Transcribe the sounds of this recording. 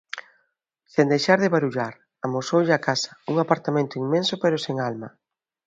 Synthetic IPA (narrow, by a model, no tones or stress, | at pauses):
send̪ejʃaɾðɪβaɾuʎaɾ | amosowʎɪakasɐ̥uŋapaɾt̪amẽnt̪ʊiŋmẽnsʊpeɾʊseŋalmɐ